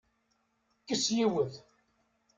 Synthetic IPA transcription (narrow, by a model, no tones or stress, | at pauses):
kːəsjiwəð